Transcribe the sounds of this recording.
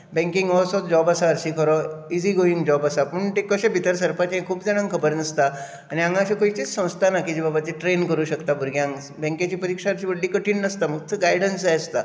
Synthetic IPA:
bɛ̃ŋkiŋɡʋɔsɔt̪d͡ʑɔbasaəɾɕiːkʰəɾɔiziːɡoiŋɡd͡ʑɔbasapəɳʈekəɕẽbʱit̪əɾsəɾpat͡ɕeɦẽkʰuːpd͡zaɽ̃ãŋkʰəbəɾnəst̪a | aɽ̃iãŋɡãɕẽkoit͡ɕit͡ssə̃w̃st̪ʰanakid͡ʑibabat̪iʈɾenkəɾuːɕəkt̪abuɾɡʱjãŋ | bɛ̃ŋkjat͡ɕiːpəɾikʂaəɾt͡ɕiːʋəɽliːkəʈʰiːnnəst̪aməɡt̪ʰəɡajɽənsast̪a

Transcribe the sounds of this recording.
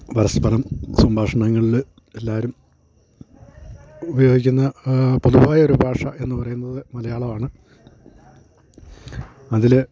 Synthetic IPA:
ʋɐɾɐspɐnɐmsɐmbʱaːʂɐɳɐŋːɐɭil | e̞lːaːɾum | ubɐjo̞ːɡikʲːunːɐpoðuʋaːjɐo̞ɾubʱaːʂɐʔe̞nːɨpɐrɐjunːɐðɨmɐlɐjaːɭɐʋaːɳɨ | ɐðil

